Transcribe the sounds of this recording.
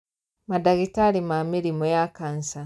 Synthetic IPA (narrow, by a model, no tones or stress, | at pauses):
madaɡitalimamiɾimojakansa